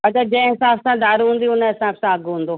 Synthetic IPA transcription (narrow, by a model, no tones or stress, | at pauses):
ɐt͡ɕʰad͡ʑɐ̃ɪ̃ɦɪsaːfsãd̪aːɾuɦũːn̆d̪iʊnəɦɪsaːbsãɐɡɦũːn̆d̪oː